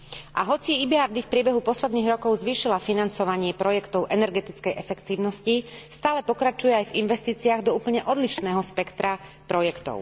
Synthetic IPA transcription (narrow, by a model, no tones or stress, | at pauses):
ʔa̰ɦɔt͡siibiaɾd̪ifpɾɪɛbɛɦupɔslɛd̪niːɣɾɔkɔʊzʋiːʃilafinant͡sɔʋaɲɪɛpɾɔjɛkt̪ɔʊʔɛnɛɾɡɛt̪it͡skɛjʔɛfɛkt̪iːʊnɔscist̪aːlɛpɔkɾat͡ʃujɛajvinʋɛst̪iːt͡siaɣd̪ɔuːpl̩ɲɛʔɔd̪liʃnɛːɦɔspɛkt̪ɾa | pɾɔjɛkt̪ɔ̰ʊ